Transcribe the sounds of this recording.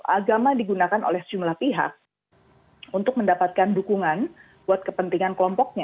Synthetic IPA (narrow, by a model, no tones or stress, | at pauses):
ʔaɡamadiɡunakano̰lɛhsəd͡ʒumlahpiɦa̰k̚ | unt̪ʊk̚məndapat̪̚kandukuŋan | b̥uat̪̚kəpənt̪iŋankəlɔmpɔk̚ɲa